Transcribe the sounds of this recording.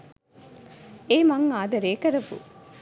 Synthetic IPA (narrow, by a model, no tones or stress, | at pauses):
eːmɐŋaːd̪ɐɾeːkɐɾɐʋṵ